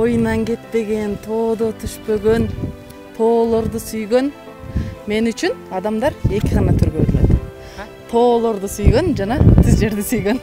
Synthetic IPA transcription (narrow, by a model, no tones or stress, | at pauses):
o̞junɑŋɡe̞t̪̚pe̞ɡe̞nt̪ʰo̞ːd̪ot̪ʰyʃpø̞ɡø̞n | t̪ʰo̞ːlˠo̞ɾd̪usyjɡø̞n | me̞nyt͡ʃynɑd̪ɑmd̪ɑɾe̞kʲiʁɑnɑt̪ʰyɾɡøeɾlʲḛt̪ | t̪ʰo̞ːlˠo̞ɾd̪usyjɡønd͡ʒɑnɑt̪ʰizd͡ʒe̞ɾd̪isyjɡø̞n